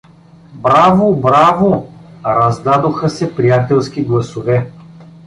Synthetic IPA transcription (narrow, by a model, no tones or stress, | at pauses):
bɾavobɾavoɾɐzd̪ad̪oxəsɛpɾijat̪ɛlˠskʲiɡlˠɐsovɛ